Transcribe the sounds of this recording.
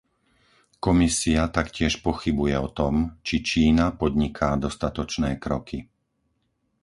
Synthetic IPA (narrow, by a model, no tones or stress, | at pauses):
kɔmisiat̪akcɪɛʃpɔxibujɛɔt̪ɔmt͡ʃit͡ʃiːnapɔd̪ɲikʰaːd̪ɔst̪at̪ɔt͡ʃnɛːkɾɔkʰi